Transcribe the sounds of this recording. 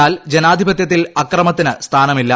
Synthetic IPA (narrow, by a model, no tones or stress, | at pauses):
aːld͡ʑenaːd̪ʱibɐt̪̬jɐt̪̬ːilɐkrɐmɐt̪ːinɨst̪ʰaːnɐmilːɐ